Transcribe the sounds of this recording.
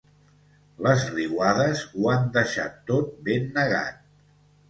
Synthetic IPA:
ləzriwaðəzuand̪əʃa̰t̪ːot̪̚benːəɣa̰t̪̚

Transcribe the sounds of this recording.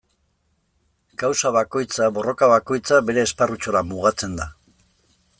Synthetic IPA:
kawsaβako̞jt͡saβo̞ro̞kaβako̞jt͡sabe̞ɾe̞ːsparut͡ʃo̞ɾamuɣat͡se̞nd̪a

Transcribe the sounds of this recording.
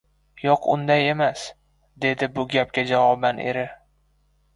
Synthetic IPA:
jɒqʰʊ̰nd̪aje̞mas | d̪e̞d̪ɪbʊɡʲap̚kʲad͡ʒavɒbanʔe̞̰ɾɪ

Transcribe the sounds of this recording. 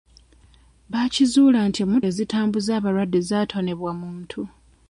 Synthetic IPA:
βacizuːlantiemːuezitʰaːmbuzaːβaɾwadːe̞zaːtʰo̞ne̞βwamuːntʰu

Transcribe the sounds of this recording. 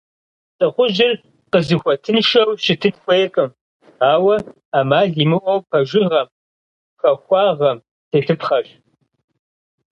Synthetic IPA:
t͡sʼɨqʷʊʒɪr | qəzɨxʷɔtʰɨnʃɐwʃɪtʰɨtxʷejkʼɨm | aːwɐ | aːmaːɮiːmɨʔʷɐwpʰɐʒɪʁɐm | xɐxʷɑːʁɐm | tʰeːtʰɨpχɐɕ

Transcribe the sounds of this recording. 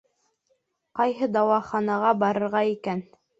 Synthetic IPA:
qɑjɦɤd̪ɑwɑχɑnɑʁɑbɑɾɤ̆ɾʁɑikæn

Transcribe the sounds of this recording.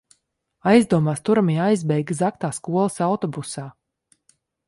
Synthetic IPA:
ajzd̪uɔmaːst̪uɾamijajzbɛjɡɨzak̚t̪aːskuɔlˠəsawt̪ɔbusaː

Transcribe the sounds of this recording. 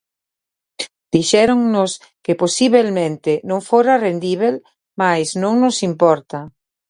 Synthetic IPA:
d̪̥iʃɛɾoŋnos | keposiβelmẽnt̪enõŋfoɾarend̪iβel | majznõŋnosimpɔɾt̪a

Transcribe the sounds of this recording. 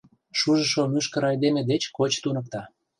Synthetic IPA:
ʃuʒə̆ʃomyʃkə̆ɾɑjd̪emed̪et͡ɕkot͡ɕt̪unɤ̆k̚t̪ɑ

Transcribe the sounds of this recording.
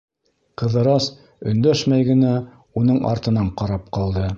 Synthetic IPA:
qɤ̆ðɤ̆ɾɑs | ɵ̆nd̪æʃmæjɡɘ̆næ | unɤɴʔɑ̰ɾt̪ɤ̆nɑɴqɑɾɑp̚qɑlˠd̪ɤ

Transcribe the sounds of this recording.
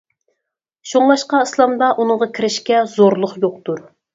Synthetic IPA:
ʃoŋlˠɑʃqɑislˠɑmd̪ɑʔunɨŋʁɑkʲʰiɾɪʃkʲɛzoɾlˠʊχjoq̚t̪uɾ

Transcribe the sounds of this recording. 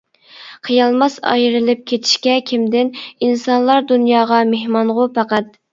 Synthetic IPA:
qʰijɑlˠmɑsɑ̰jɾɨlˠɪp̚kʲʰet̪ʰi̥ʃkʲɛkʲʰimd̪ɪninsɑnlˠɑɾd̪unjɑːʁɑmehmɑɴʁʊpʰɑqɑt̪̚

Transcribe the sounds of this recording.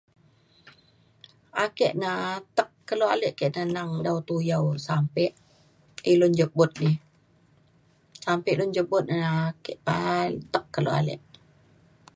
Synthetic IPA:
akɛʔnat̪əkːəloa̰lɛʔkɛʔnənaŋdawt̪ujawsampɛʔ | ilʊnd͡ʒəbʊt̪̚nɪh | sampɛʔlʊnd͡ʒəbʊt̪̚nakɛʔpat̪əkːəloa̰lɛ̰ʔ

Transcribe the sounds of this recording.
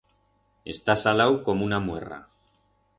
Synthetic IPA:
e̞̰st̪asalawkomunamwḛra̰

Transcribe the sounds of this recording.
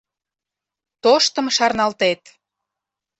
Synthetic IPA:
t̪oʃt̪ə̆mʃɑrnɑlt̪et̪

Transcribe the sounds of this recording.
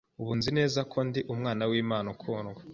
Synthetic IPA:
uβuːnzine̞ːzakʰo̞ndiʔumŋaːnawiːmaːnukʰuːnɡwa

